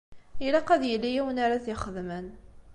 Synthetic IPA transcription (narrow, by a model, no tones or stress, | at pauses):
ilɑqæðjəlːijiwənaɾaθjəχəðmən